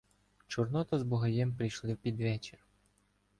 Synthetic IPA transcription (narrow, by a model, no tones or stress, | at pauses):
t͡ʃʊrnɔt̪ɔzbʊɦɐjɛmpɾɪjʃlˠɪwpʲid̪ʋɛt͡ʃer